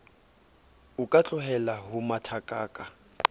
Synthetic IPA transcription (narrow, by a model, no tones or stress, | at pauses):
ʊkʼat͡ɬʼʊɦɛlaɦʊmatʰakʼaːkʼa